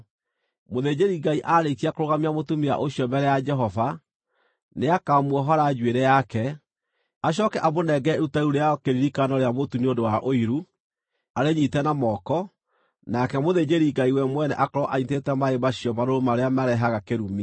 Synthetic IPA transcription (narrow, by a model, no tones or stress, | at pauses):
moðed͡ʑeɾiɡaiʔaɾekiakoɾoɣamiamotumia̰ʔoɕjɔmbɛɾɛjad͡ʒɛɦɔva | neakamuɔɦɔɾad͡ʒweɾɛjakɛ | aɕ̬ɔkɛʔamonɛɡɛeutauɾeakeɾiɾikanɔɾeamotuneodowaʔoiɾu | aɾeɲitɛnamɔkɔ | nakɛmoðed͡ʑeɾiɡaiwɛmwɛnɛ̰ʔakɔɾɔʔaitetɛmaemaɕiɔmaɾoɾomaɾeamaɾɛɦaɣakeɾumi